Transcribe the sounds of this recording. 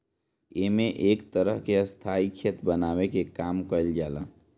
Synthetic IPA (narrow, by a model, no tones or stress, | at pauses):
eːmẽʔeːkt̪əɾəɦkeɐst̪ʰaːikʰet̪bənaːwekekaːmkəɪld͡ʒaːla̰ː